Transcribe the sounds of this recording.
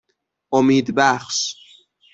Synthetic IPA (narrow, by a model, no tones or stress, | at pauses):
ʔomiːd̪bæxʃ